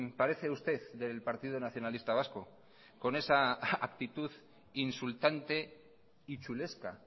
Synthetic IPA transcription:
paɾe̞θe̞ust̪e̞ððe̞lpaɾt̪iðonaθjo̞nalist̪aβ̞asko | ko̞ne̞saak̚t̪it̪uð | insult̪ant̪e̞ | it͡ʃule̞ska̰

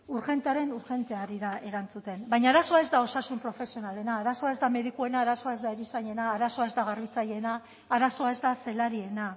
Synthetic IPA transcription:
uɾxe̞nt̪eaɾe̞nuɾxe̞nt̪eaɾiðae̞ɾant͡sut̪e̞nbajɲaːɾaso̞ae̞zd̪ao̞sasumpɾo̞fe̞sio̞nale̞naːɾaso̞aezd̪ame̞ðikue̞naːɾaso̞aezd̪aeɾisaɲe̞naːɾaso̞ae̞zd̪aɣarβ̞it͡saje̞naː | ɾaso̞ae̞zd̪ase̞laɾie̞na

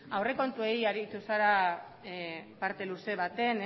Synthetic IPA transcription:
awre̞ko̞nt̪ue̞iaɾit̪usaɾa | paɾt̪e̞luse̞βat̪e̞n

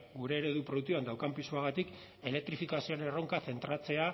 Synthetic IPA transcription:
ɡuɾe̞ːɾe̞ðupɾo̞ðukt̪uand̪awkampisuaɣ̞at̪ik | e̞le̞k̚t̪ɾifikasioɾeero̞ŋkaθe̞nt̪ɾat͡se̞a

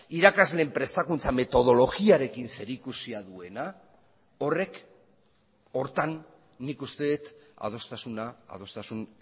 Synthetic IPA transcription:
iɾakazle̞ːmpɾe̞st̪akunt͡same̞t̪o̞ð̞o̞lo̞ɣiaɾe̞kinse̞ɾikusiaðue̞na | o̞re̞k | o̞ɾt̪anː | ikust̪e̞ðet̪a̰ð̞o̞st̪asuna̰ːðo̞st̪asun

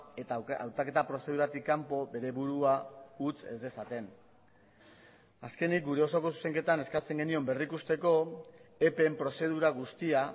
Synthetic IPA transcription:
et̪aa̰wt̪ake̞t̪apɾo̞se̞ð̞uɾat̪ikːampo̞be̞ɾe̞βuɾuaut͡se̞̰zd̪e̞sat̪e̞n | aske̞nik̚ɡuɾe̞o̞so̞ko̞su̥se̞ŋke̞t̪ane̞skat͡se̞ŋɡe̞nio̞mbe̞rikust̪e̞ko̞e̞pe̞mpɾo̞se̞ð̞uɾaɣ̞ust̪ia

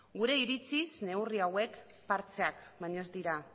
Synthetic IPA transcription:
ɡuɾe̞iɾit͡sizne̞wriawe̞k | paɾt͡se̞akmaɲo̞zd̪iɾa

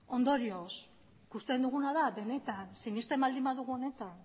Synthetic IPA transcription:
o̞nd̪o̞ɾio̞s | kust̪e̞nd̪uɣ̞unaðabe̞ne̞t̪ansinist̪embald̪imaðuɣuo̞ne̞t̪an

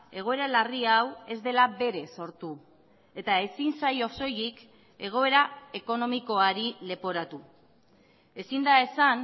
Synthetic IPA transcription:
e̞ɣ̞o̞e̞ɾalariawe̞zd̪e̞labe̞ɾe̞so̞ɾt̪u | e̞t̪ae̞sinsajo̞so̞jik | e̞ɣ̞o̞e̞ɾaeko̞no̞miko̞aɾile̞po̞ɾat̪u | e̞sind̪ae̞san

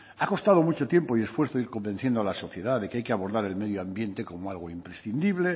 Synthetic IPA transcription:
ako̞st̪að̞o̞mut͡ʃot̪je̞mpo̞ie̞sfwe̞ɾθoiɾko̞mbe̞nθje̞nd̪oalaso̞θje̞ðaðe̞keajkeaβo̞ɾðaɾe̞lmeðjoambje̞nt̪e̞ko̞moalɣ̞oimpɾesθind̪iβ̞le̞

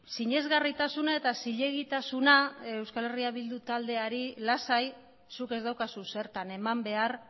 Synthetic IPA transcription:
siɲe̞zɣarit̪asunae̞t̪asiʎe̞ɣ̞it̪asunae̞wskale̞riaβild̪ut̪ald̪e̞aɾilasaj | suke̞zd̪awkasuse̞ɾt̪ane̞mambe̞aɾ

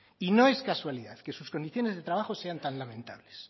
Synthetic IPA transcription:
ino̞e̞skaswaliðaðke̞susko̞nd̪iθjone̞zðet̪ɾaβaxo̞se̞ant̪anlamẽnt̪a̰βle̞s

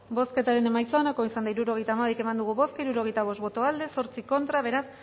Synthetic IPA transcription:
bo̞ske̞t̪aɾe̞ne̞majt͡saonakoisand̪aiɾuɾo̞ɣ̞e̞jt̪aːmaβejke̞mand̪uɣ̞uβo̞skiɾuɾo̞ɣ̞e̞jt̪aβ̞o̞stβo̞t̪o̞ald̪e̞so̞ɾt͡siko̞nt̪ɾaβe̞ɾas

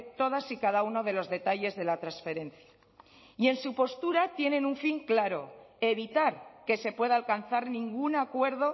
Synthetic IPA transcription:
t̪o̞ð̞asikaðauno̞ð̞e̞lo̞zðe̞t̪aʎe̞zðe̞lat̪ɾansfe̞ɾe̞nθja | ie̞nsupo̞st̪uɾat̪je̞nẽ̞nuɱfiŋklaɾo̞e̞βit̪aɾke̞se̞pwe̞ðaːlkanθaɾnĩŋɡunakwe̞ɾðo̞

